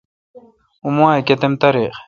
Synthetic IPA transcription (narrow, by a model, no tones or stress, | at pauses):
umaːjket̪emt̪ɐɾex